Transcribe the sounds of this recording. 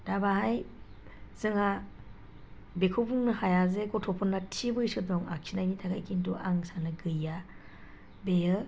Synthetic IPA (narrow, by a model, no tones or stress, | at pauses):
d̥abaɦaj | z̥ɯŋa | bekʰɔbuŋnɯhajazeɡɔtʰɔpʰɔnːatʰibɯjsɯdɔŋa̰kʰinajnitʰakʰajkʰintuʔaŋsanɯɡɯja | bejɯ